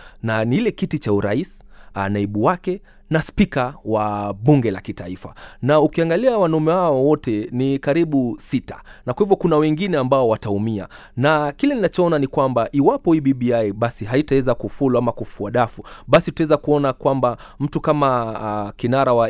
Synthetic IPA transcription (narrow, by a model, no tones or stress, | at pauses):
nanilɛkitit͡ʃauɾaisi̥anaiɓuwakɛ | naspikawaɓuŋɡɛla̰kitaifa̰naukiaŋɡaliawanaumɛhaɔwɔtɛnikaɾiɓusita̰nakwahivjɔkunawɛŋɡinɛambaɔwataumia̰ | nakilɛninat͡ʃɔɔnanikwambaʔiwapɔiɓiɓiajɓasiɦaitawɛzakufuluamakufuaɗafuɓasiutawɛzakuɔnakwamba | m̩tukamakinaɾawa